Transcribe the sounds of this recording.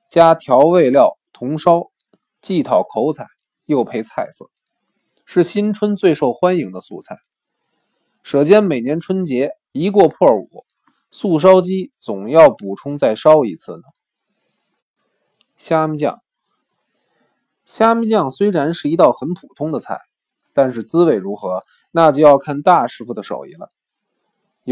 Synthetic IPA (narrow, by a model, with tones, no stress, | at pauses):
t͡ɕja˥t̪ʰjɑ˧˥ʊwe˥˧ɪljɑ˥˩ʊt̪ʰʊ˧˥ŋʂɑ˥ʊ | t͡ɕi˥˩t̪ʰɑ˨˩ʊkʰo˧˥ʊt͡sʰa˨˩˦ɪ | jo˥˩ʊpʰe˥˧˥ɪt͡sʰa˥˧˩ɪsɤ̰˥˩ | ʂɻ̩˥˩ɕi˥nʈ͡ʂʰwə˥nt͡swe˥˧ɪʂo˥˩ʊxwa˥nji˧˥ŋd̪ə˧sṵ˥˧t͡sʰa˥˩ɪ | ʂɤ˨˧˩t͡ɕjɛ˥nme˨˩ɪnjɛ˧˥nʈ͡ʂʰwə˥nt͡ɕjɛ˧˥ | i˧˥kwɔ˥˧pʰwɔ˥˩ṵ˨˩˦ | su˥˩ʂ̬ɑ˥ʊt͡ɕi˥t͡sʊ˨˩ŋjɑ˥˩ʊpu˨˩ʈ͡ʂʰʊ˥ŋt͡sa˥˩ɪʂɑ˥ʊi˧˥t͡sʰɹ̩˥˩nə˩ | ɕja˥mi˧˥t͡ɕjɑ̰˥˩ŋ | ɕja˥mi˧˥t͡ɕjɑ˥˧ŋswe˥ɪɻa˧˥nʂɻ̩˥˩i˧˥t̪ɑ˥˩ʊxə˧˥npʰu˨˩t̪ʰʊ˥ŋd̪ə˨˧t͡sʰa̰˥˩ɪ | t̪a˥˧nʂ̬ɻ̩˥˩t͡sɹ̩˥we˧˩ɪɻu˧˥xɤ˧˥ | na˥˧˩t͡ɕjo˥˧ʊjɑ˥˧ʊkʰa˥˧nt̪a˥˩ʂɻ̩˥fu˥˩d̪ə˩ʂo̰˨˩ʊḭ˥˩lə̰˨˩